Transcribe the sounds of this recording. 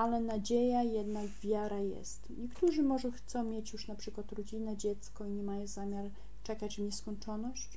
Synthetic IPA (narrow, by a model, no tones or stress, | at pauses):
alɛnad͡ʑejajɛd̪naɡvʲjaɾajɛ̰st̪ɲɛkt̪uʐɘmɔʐɔxt̪sɔ̃w̃mʲjet͡ɕjuʂnapʂɘkwat̪ɾɔd͡ʑinɛd͡ʑɛt̪skɔiɲɛmajɔ̃w̃zamʲjaɾ | t͡ʂɛkad͡ʑvɲɛskɔɲt͡ʂɔnɔɕt͡ɕ